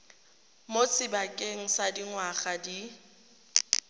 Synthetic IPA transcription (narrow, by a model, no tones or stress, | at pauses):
mot͡sʰʼɪbakʼeŋ̩sadiŋwaχadi